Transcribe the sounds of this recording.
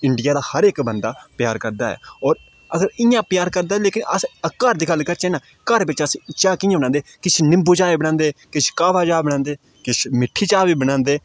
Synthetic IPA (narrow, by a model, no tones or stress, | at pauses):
ɪɳɖɪjaːd̪aːhəɾekbənd̪aːpjaːɾkəɾd̪aːɛ̰ːɔːɾ | əɡəɾɪjãːpjaːɾkəɾd̪aːɛleːkɪnəsəkəɾd̪iːɡəlkəɾt͡ʃɛ̃ːnãː | kəɾbɪt͡ʃəst͡ʃaːkɪjãbəɽ̃ãːnd̪eːkɪt͡ʃnɪ̃mbuːd͡ʒaːebəɽ̃ãːnd̪eːkɪʃkaːʋaːd͡ʒaːbəɽ̃ãːnd̪eː | kɪʃmɪʈʰːiːt͡ʃaːbiːbəɽ̃ãːnd̪eː